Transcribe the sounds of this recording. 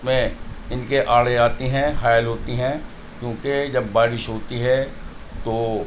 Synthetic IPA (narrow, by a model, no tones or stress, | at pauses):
mẽɪnkeʔaːɽeaːt̪iɦɛ̃ɦaːjəlɦoːt̪iɦɛ̃ | kjõːked͡ʒɐbːaːɾɪʃɦoːt̪iɦɛ | t̪oː